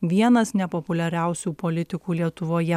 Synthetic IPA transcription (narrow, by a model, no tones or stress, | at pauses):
ʋʲiɛnɐsnʲɛpɔpʊlʲɛɾʲæˑʊsʲuːpolʲɪt̪ʲɪkuːlʲiɛt̪ʊʋoːjɛ